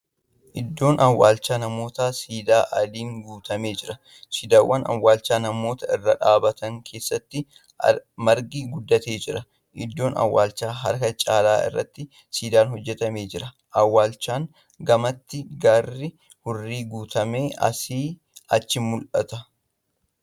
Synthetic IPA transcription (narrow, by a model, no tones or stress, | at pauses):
ʔɪd̪ːo̞ːnʔɐwːa̰ːlt͡ʃːaːnɐmo̞ːt̪aːsiːd̪aːʔɐliːŋɡuːt̪ɐme̞ːd͡ʒɪɾɐ | siːd̪aːwːɐnɐ̰wːaːlt͡ʃːaːnɐmo̞ːt̪ɐɪrːɐᶑaːbɐt̪ɐŋkʰeːsːɐt̪ːɪ | mɐɾɡiɡʊd̪ːɐt̪e̞ːd͡ʒɪɾɐ | ʔɪ̰d̪ːo̞ːnɐ̰wːa̰ːlt͡ʃːaːɦɐ̰ɾkɐt͡ʃʼaːlaːʔɪ̰rːɐ̰t̪ːɪ | siːd̪aːnɦɔd͡ʒːɛt̪ɐme̞ːd͡ʒɪɾɐ | ʔɐwːaːlt͡ʃːaːŋ | ɡɐmɐt̪ːɪɡarːɪ | hʊrːiːɡuːt̪ʰɐme̞ːʔɐ̰siː | ɐt͡ʃːɪmʊlʔɐt̪ɐ